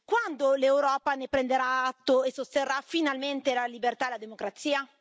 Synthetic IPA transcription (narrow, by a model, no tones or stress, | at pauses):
kwand̪olewɾɔːpanepɾend̪eɾaat̪ːoesost̪erːafinalment̪elalibert̪ad̪elad̪emokɾat̪siːa